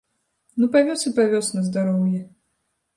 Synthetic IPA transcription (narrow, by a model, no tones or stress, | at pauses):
nupavʲɔsɨpavʲɔsnɐzd̪aɾɔmʲjɛ